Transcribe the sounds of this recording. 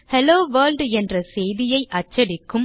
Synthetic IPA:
hɛloːʋɐːlɖɛndrɐsɛjðɪjɐɪʔɐt͡ʃːɐɽɪkːɯm

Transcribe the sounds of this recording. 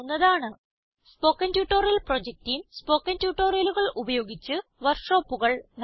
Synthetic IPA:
nːɐðaːɳɨ | spo̞ːkːɐntjuːʈːoːrijɐlpro̞d͡ʑek̚tijumspo̞ːkːɐntjuːʈːoːrijɐluɣɐɭubɐjo̞ːɡit͡ɕːɨʋɐrʂo̞ːpːuɣɐɭn

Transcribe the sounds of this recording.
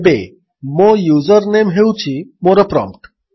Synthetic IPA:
be | mojuzəɾnemɦewt͡ɕʰimoɾəpɾɔ̰mpʈ

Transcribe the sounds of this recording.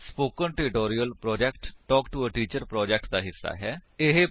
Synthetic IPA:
spoːkənʈɪʈoːɾijəlpɾɔːd͡ʒɛːkʈʈɔːkʈuəʈiːt͡ʃəɾpɾɔːd͡ʒɛk̚ʈd̪aːɦɪsːa̰ːɦɛːɪɦe

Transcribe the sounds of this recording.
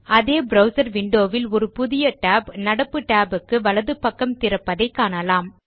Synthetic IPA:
ɐðeːbɾɐʊsɐɾʋɪɳɖoːʋɪlɔɾɯpʊðɪjɐʈaːbnɐɽɐpːɯʈaːbɯkːɯʋɐɭɐðɯpːɐkːɐmt̪ɪɾɐpːɐðɐɪkːaːɳɐlaːm

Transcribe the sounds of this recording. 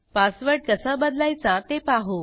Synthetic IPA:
pasʋəɾɽ̚kəsabəd̪lajt͡sat̪epaɦo

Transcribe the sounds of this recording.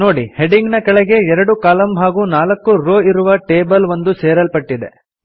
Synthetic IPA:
no̞ːɽiheɖiŋɡnɐkɐɭɛɡe̞ɛɾɐɽukaːlɐmɦaːɡuːnaːlɐkːuɾoːiɾuʋɐʈeːbɐlʋond̪useːɾɐlpɐʈːid̪e̞̰

